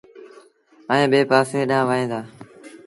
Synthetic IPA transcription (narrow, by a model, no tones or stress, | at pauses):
əẽːɓeːpaːsẽɗãːʋaːɦẽːd̪aː